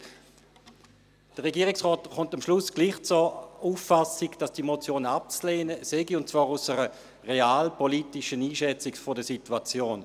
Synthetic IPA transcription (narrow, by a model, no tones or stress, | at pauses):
d̥əʁɛɡiːʁɪksʁɔːtχʊntamʃlʊsɡ̥liːχt͡suuːfːasɪɡd̥asd̥imot͡sjoːnap̚t͡sleːnəsɛɡiʊnt̚t͡svaːʁusəʁə | ʁeaːlpʰɔlitɪʃəniːʃɛt͡sɪkfɔdəsitwat͡sjoːn